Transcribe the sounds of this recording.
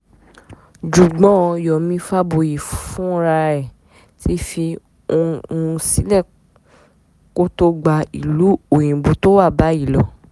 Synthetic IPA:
d͡ʒu˨ɡ͡bɔ̃˦˧jɔ˨mĩ˧fa˦bo˧˨ji˨ffũ˦ɾa˧ɾɛ˨ | ti˦fi˧ | õ˧˦si˦lɛ˦˨ | ko˦to˦ɡ͡ba˧i˨lu˨˦o˨j̃ĩ˨bo˨˦to˦wa˦˨ba˨˦i˦˨lɔ˨

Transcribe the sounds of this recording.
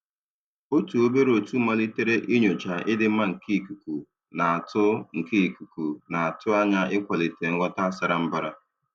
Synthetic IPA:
o˦tu˨o˦be˦ɾo˨tu˦ma˦li˦te˦ɾe˦ʔi˦ɲo˨t͡ʃa˨ʔɪ˦dɪ˦m̩˦ma˦ŋ̩˨kʰi˦i˨ku˨ku˨ | na˨a˨tʊ˦ŋ̩˨ke˦i˨ku˨ku˨na˨a˨tʊ˦a˦ɲa˦ɪ˦kʷa˨li˨te˨ŋ̩˦ɡʷa˦ta˦sa˦ɾa˨m̩˦ba˦ɾa˦

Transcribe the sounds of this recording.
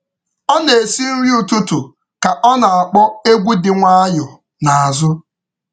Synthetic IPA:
ɔ˦ne˨e˨si˦n̩˦ɾi˦u˨tu˦tu˨ | ka˨ʔɔ˦na˨a˨k͡pɔ˦e˦ɡʷu˦dɪ˨ŋʷa˦a˦ɲʊ˨ | na˨a˨zʊ˦

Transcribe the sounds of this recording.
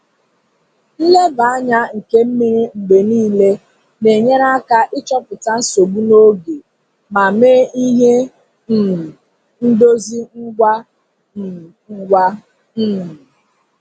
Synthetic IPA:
n̩˦le˦ba˨a˦ɲa˦ŋ̩˨ke˦m̩˦mi˨ɾi˦ŋ͡m̩˨ɡ͡be˨niː˦le˦ | ne˨ɲe˦ɾa˦ka˦ʔɪ˦t͡ʃɔ˦pʊ˨ta˦n̩˦so˨ɡ͡bu˦no˦ɡe˨ | ma˨me˦i˦ɦe˦ | n̩˨ | n̩˦do˦zi˦n̩˦ɡʷa˦˨˦ | ɡʷa˦ | n̩˦m̩˨

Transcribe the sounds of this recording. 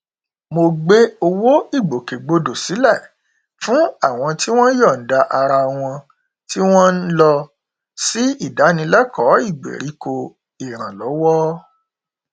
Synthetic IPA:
mo˧ɡ͡be˦o˧wo˦i˦˨ɡ͡bo˨ke˨ɡ͡bo˧do˨si˨˦lɛ˦˨ | fũ˦a˦˨w̃ɔ̃˧ti˦w̃ɔ̃˦jɔ˦˨n̩˨da˧ʔa˧ɾa˧w̃ɔ̃˧ | ti˦w̃ɔ̃˦n̩˦lɔ˧ | si˦i˦˨da˨˦nĩ˧lɛ˦kɔ˨˦i˦˨ɡ͡bḛ˨ɾi˨˦ko˧ | i˨ɾ̃ã˨lɔ˨˦wɔ˦

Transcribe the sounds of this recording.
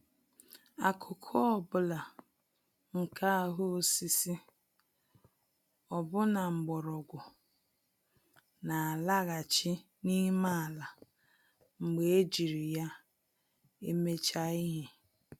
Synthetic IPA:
a˨kʰʊ˨kʰʊ˦ɔ˨bʊ˦la˨ | ŋ̩˨kʰa˦a˨ɦʊ˦si˦si˦ | ɔ˨bʊ˦na˨ŋ͡m̩˨ɡ͡bɔ˨ɾɔ˨ɡʷʊ˨ | na˨a˨la˦ɣa˨t͡ʃɪ˦ | ni˦ma˦˨la˨ | ŋ͡m̩˨ɡ͡be˨e˦d͡ʒi˨ɾi˨ja˦ | e˦me˦t͡ʃa˦i˦ɦɪ˨

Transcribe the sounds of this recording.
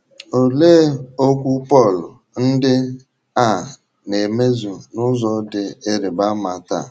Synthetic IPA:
o˨le˦o˦kʷu˦pɔ˦˨lʊ˨ | n̩˦dɪ˦ | a˦˨ | ne˨me˦zu˨nʊ˦zɔ˨˦dɪ˦e˦ɾɪ˨ba˦ma˨ta̰˦˨

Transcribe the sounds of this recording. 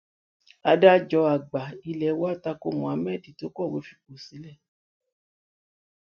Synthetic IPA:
a˧da˦d͡ʒɔ˧a˨ɡ͡ba˨i˧lɛ˧˨˦wɔ˦˨ta˧ko˦mɔ̃˨a˨˧˦mɛ˦˨ti˨to˦kɔ˦˨we˨˦fi˦k͡po˨si˨˦lɛ˦˨

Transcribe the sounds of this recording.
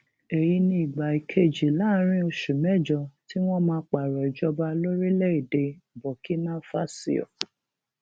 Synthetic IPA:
e˨ji˧nĩ˦i˨ɡ͡ba˨i˨kʰe˦˨d͡ʒi˨laː˦ɾ̃ĩ˦o˧ʃu˨mɛ˦˨d͡ʒɔ˧ti˦w̃ɔ̃˦mãː˧˦k͡pa˨ɾɔ˨i˨d͡ʒɔ˧ba˧lo˦ɾi˦lɛ˦i˨de˧bɔ˨ki˦nã˦fa˦sḭ˦ɔ̰˨

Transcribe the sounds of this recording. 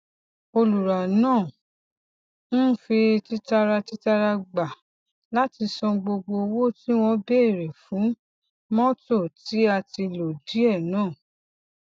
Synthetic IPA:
o˧lu˨ɾa˨nãː˦˨ | n̩˦fi˧ti˦ta˧ɾa˧ti˦ta˧ɾa˧ɡ͡ba˨ | la˦ti˧sɔ̃˧ɡ͡bo˧ɡ͡bo˧wo˦ti˦w̃ɔ̃˧be˦˨ɾɛ˨fũ˨˦ | mɔ̃˦to˦˨ti˨˦a˧ti˧lo˨di˨˦ɛ˦˨nãː˦˨

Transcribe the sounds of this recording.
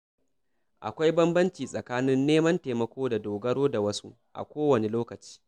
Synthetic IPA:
ʔa̰˨kʷa˦jbɐ˦mbɐ˦nt͡ʃiː˨sʼɐ˨kaː˦nɪ˦nːeː˦mɐ˦nteː˨mɐ˨kʷoː˦da˨doː˨ɡɐ˦ɽoː˦da˨wɐ˦su˦ | ʔa̰˨kʷoː˦wɐ˨ne˨loː˦kɐ˨t͡ʃi̥ː˦

